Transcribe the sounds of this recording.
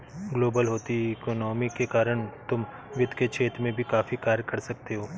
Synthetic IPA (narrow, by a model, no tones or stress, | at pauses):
ɡloːbəlɦoːt̪ieːkoːnɔːmikekaːɾəɽ̃t̪ʊm | ʋɪd̪ʱket͡ʃʰeːt̪ɾmẽbʱikaːfikaːɾjkɐɾsɐk̚t̪eɦoː